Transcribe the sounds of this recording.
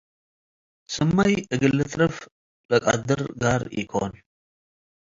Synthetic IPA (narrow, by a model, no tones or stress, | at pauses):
sɨmːajʔɨɡɨlːɨt̪ʼɾɐf | lɐkʼa̰d̪ɨɾɡaɾjɪ̰kʰon